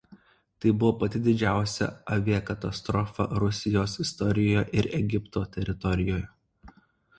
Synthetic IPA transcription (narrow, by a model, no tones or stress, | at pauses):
t̪ɐɪbʊʋoːpɐt̪ʲɪd̪ʲɪd͡ʒʲæˑʊsʲɛ̰ɐʋʲiɛkɐt̪ɐst̪ɾɔfɐ̰ɾʊsʲɪjoːsɪst̪ɔɾʲɪjoːjɛʔɪɾɛɡʲɪpt̪oːt̪ʲɛɾʲɪt̪ɔɾʲɪjoːjɛ